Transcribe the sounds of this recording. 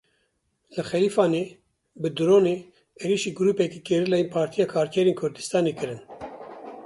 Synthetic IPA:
lɨxɛliːfɑːneː | bɨd̪ɾoːneː | eɾiːʃiːɡʊɾuːpɛkiːkeɾilɛjinpʰɑːɾt̪ʰijɑːkʰɑːɾkʰɛɾeːnkʰʊɾd̪ɨst̪ɑːneːkɨɾɨn

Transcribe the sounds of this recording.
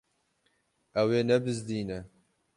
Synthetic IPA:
ʔɛweːnɛbɨzd̪iːnɛ

